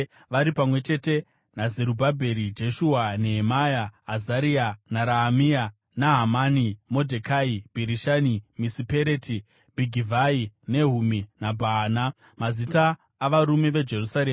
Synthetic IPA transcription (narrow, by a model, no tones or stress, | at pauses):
ʋaɾipamwe̞t͡ʃe̞te̞ | nazeɾubʱabʱe̞ɾid͡ʒe̞ʃuaneɦːmajaːzaɾianaɾaːmia | naɦamanimo̞dʱekaib̥ʱiɾiʃanimisipeɾeti | bʱiɡʱivʱaine̞ɦuminabʱaːna | mazitaː | ʋaɾume̞ʋe̞d͡ʒe̞rusaɾeːm